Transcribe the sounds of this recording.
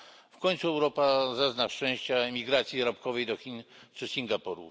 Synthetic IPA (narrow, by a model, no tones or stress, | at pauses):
fkɔɲʲt̪suɛwɾɔpazaznaʂt͡ʂɛ̃w̃ɕt͡ɕamʲiɡɾat̪sʲjiɾapkɔvɛjd̪ɔxʲinʂɘsʲiŋɡapɔɾṵ